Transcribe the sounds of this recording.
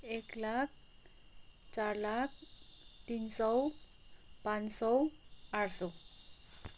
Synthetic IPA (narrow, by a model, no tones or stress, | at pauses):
eklak̚ʰ | t͡ɕaɾlak̚ʰt̪insɔw | pãnsɔwaɽsɔ